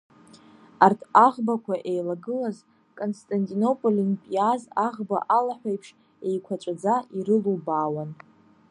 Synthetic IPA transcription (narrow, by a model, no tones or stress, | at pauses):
artʰaʁbakʷʰaʔejlaɡɨlaz | kʼonstʼantʼino̞pʼolinpʼijazaʁba̰ʔalaħʷᶣajpʰʂ | e̞jkʷʰat͡ʃʷʼad͡zaʔiɾɨlubaːwan